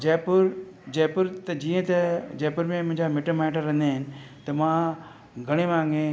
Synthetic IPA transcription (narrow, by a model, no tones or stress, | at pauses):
d͡ʑeːpʊɾd͡ʑeːpʊɾt̪ɐd͡ʑiːə̃t̪ɐd͡ʑeːpʊɾmẽmʊ̃ɦɪ̃ɲd͡ʑamɪʈomaːʈəɾɐ̃nd̪aːɦɪnɪ̆ | t̪ɐmã | ɡʱɐɽ̃emãːŋe